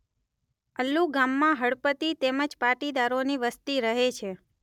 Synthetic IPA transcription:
əlːuɡamːãɦəɭpət̪it̪eməd͡ʒpaʈid̪aɾoniʋəst̪iɾəɦet͡ʃʰe

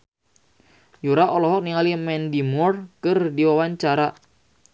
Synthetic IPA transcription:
juɾaʔɔlɔɦɔk̚niŋalimɛndimɔrkɨrdiwawaɲt͡ʃaɾa

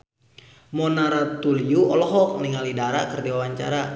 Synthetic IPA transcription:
mɔnaɾat̪uliuɔlɔɦɔk̚niŋalidaɾakərdiwawaɲt͡ʃa̰ɾa

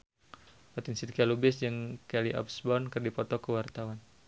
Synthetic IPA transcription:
pat̪insit̪̚kialubɪsd͡ʒəŋkɛliʔɔ̰p̚sbɔnkərdipɔt̪ɔkəwart̪awan

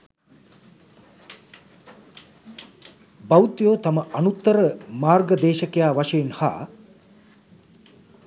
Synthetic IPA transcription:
bawt̪joːt̪aməanut̪ːəɾəmaːrɡəd̪eːʃəkejaːʋaʂejenha̰ː

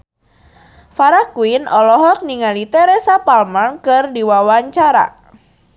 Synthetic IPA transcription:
faɾakuinɔlɔɦɔk̚niŋalit̪ɛɾɛsapalmankɨrdiwawaɲt͡ʃaɾa̰

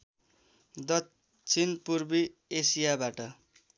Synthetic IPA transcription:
d̪ʌ | t͡sʰinpurbiesijabaʈʌ

